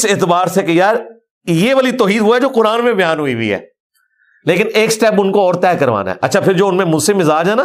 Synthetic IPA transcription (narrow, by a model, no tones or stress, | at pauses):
sɪːt̪ɪbaːɾsekejaːɾ | jeʋaːlit̪ɔːɦiːd̪ʋoɦɛd͡ʒoːqʊɾaːnmẽbɐjaːnɦʊiɦḭɦɛ̰ː | leːkɪneːksʈɛːpʊnkoɔːɾt̪ɛːkɐɾʋa̰ːna̰ɦɛ̰ʔɐ̰tːʃʰapʰɪɾd͡ʒoːʊnmẽmʊd͡ʒsemɪzaːd͡ʒɛːnaː